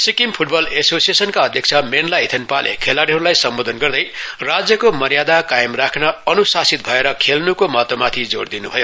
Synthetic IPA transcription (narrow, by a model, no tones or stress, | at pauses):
sikimpʰuʈbʌlesosijesʌnkaʌd̪ʱjʌk̚t͡sʰʌmenlait̪ʰenpalʔḛkʰelaɾiɦʌɾulajsʌmbod̪ʱʌnɡʌrd̪ʌjrad͡zjʌkomʌrjad̪akajemrakʰnʌʌnusasit̪̚bʱʌeɾʌkʰelnukomʌt̪omat̪ʰid͡zord̪inubʱʌjo